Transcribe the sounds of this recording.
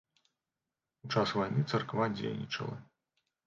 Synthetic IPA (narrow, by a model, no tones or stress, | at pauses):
ut͡ʂasvajnɨt̪sɐrkvad͡zʲḛjnʲḭt͡ʂɐ̰lˠɐ̰